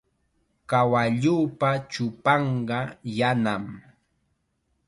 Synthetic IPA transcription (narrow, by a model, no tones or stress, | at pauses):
kawaʎuːpat͡ʃʊpɑɴɢɑjanam